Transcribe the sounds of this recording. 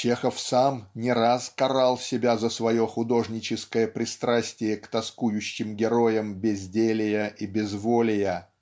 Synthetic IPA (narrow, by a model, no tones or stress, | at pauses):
t͡ɕexəfsamnʲɪɾaskɐɾalˠsʲɪbʲazəsvɐjoxʊd̪o̞ʐnʲɪt͡ɕɪskəjəpɾʲɪst̪ɾasʲtʲɪjəkt̪ɐskujʉɕːɪmɡʲɪɾo̞jəmbʲɪzʲdʲelʲɪjəʔibʲɪzvolʲɪjə